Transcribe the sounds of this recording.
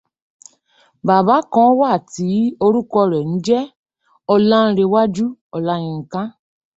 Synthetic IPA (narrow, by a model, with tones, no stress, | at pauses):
ba˨ba˨˦kɔ̃˨˦wa˦˨ti˨˦o˧ɾu˦kɔ˧ɾɛ˨ñ̩˨˦d͡ʒɛ˦ | ɔ˧lã˦n̩˧ɾe˧wa˦d͡ʒu˦ɔ˨la˦j̃ĩ˧ŋ̩˨kã˦